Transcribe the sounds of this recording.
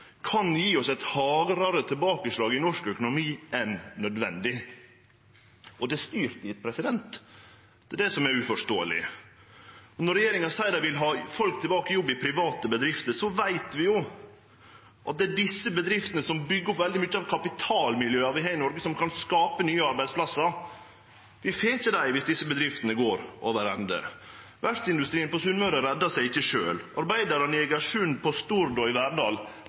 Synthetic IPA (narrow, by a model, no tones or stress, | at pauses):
kʰɑnjiːɔsɛt̪hɑːɡɾɑɾət̪ʰɪlbɑːkəʂlɑːɡɪnɔʂkœkʊnʊmiːʔɛnnœd̪ʋɛ̰nd̪ɪ | ʔɔd̪ɛst̪yːɾt̪ɪt̪̚pʰɾɛsɪd̪ɛnt̪ | d̪̥ɛɛd̪ɛsɔmɛɾʉfɔʂt̪o̰ːə̰lɪ̰ | nɔɾɛjeːɾɪŋɑsæɪd̪ɑʋɪlɦɑːfɔlk̚t̪ʰɛlbɑːkəjɔbːɪpʰɾɪʋɑːt̪əbəd̪ɾɪft̪əsɔʋæɪt̪ʋɪjʊ | ʔɑ̰t̪̚d̪ɛːɖɪsːəbəd̪ɾɪft̪ənəsɔmbʏɡːəɔpʋɛld̪ɪmʏt͡ʃːəɑʋkʰɑpɪt̪ʰɑːlmɪljøːɑʋɪɦæɪnɔɾɡəsɔmkʰɑnskɑːpənyːəɑɾbæɪd̪spʰlɑsːɑɾ | ʋɪfeːçəd̪æɪʋɪsd̪ɪsːəbəd̪ɾɪft̪ənəɡoːɾʔo̰ʋəɾɛ̰nd̪ə̰ | ʋæɾt̪sɪnd̪ʉst̪ɾiːənpɔsʉnmœɾəɾɛd̪ːɑsæɪɪçːəʂø̰ːlʔɑ̰ɾbæɪd̪ɑɾɔnɪɪɡɑʂʉːnpʰɔst̪uɾd̪ɔɪʋæɾɖɑːl